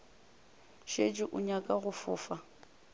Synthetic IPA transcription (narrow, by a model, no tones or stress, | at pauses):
ʃed͡ʒɪʔʊɲakʼaɣʊfʊːfa